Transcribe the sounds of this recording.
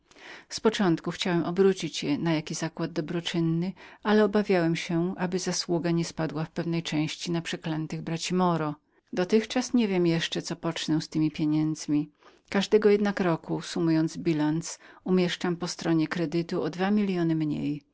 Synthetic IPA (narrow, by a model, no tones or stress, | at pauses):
spɔt͡ʂɔ̃nt̪kuxt͡ɕawɛmʔɔbɾut͡ɕit͡ɕjɛnajakʲizakwad̪̚d̪ɔbɾɔt͡ʂɘnːɘʔalɛɔbavʲjawɛmɕɛʔabɘzaswuɡaɲɛspad̪wafpɛvnɛjt͡ʂɛ̃w̃ɕt͡ɕinapʂɛklɛnt̪ɘɣbɾat͡ɕimɔɾɔ | d̪ɔt̪ɘxt͡ʂasɲɛvʲjɛmjɛʂt͡ʂɛt̪ɔpɔt͡ʂnɛwst̪ɘmʲipʲjeɲɛnd̪zmʲi | kaʐd̪ɛɡɔjɛd̪nakɾɔkusumujɔnd̪zbʲilansumʲjɛʂt͡ʂampɔst̪ɾɔɲɛkɾɛd̪ɘt̪uɔd̪vamʲilʲjɔnɘmɲḛj